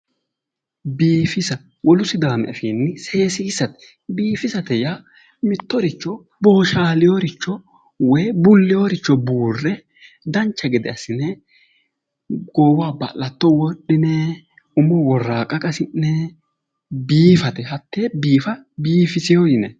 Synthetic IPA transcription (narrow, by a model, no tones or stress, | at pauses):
biːfɪsɐ | wʔɔlʊsɪd̪aːmɛɐfiːnːɪse̞ːsɪɪsɐt̪ɛ̥ | biːfɪsɐt̪ɛjaː | mɪt̪ːɔɾɪt͡ʃːɔ | bo̞ːʃaːlɪjoɾɪt͡ʃːɔ | wɔjbʊlːɪjoɾɪt͡ʃːɔbuːrːɛ | d̪ɐnt͡ʃːɐɡɪd̪ɛ̰ɐsɪnɛ | ɡ̥oːwaːbɐ̰lːɐt̪ːɔwɔɗːɪnɛ | ʊmːɔwɔrːaːkʼɐkʼɐsɪnnɛ | biːfɐt̪ɛɦɐt̪ːeːbiːfɐbiːfɪsɪjojɪnɛ̰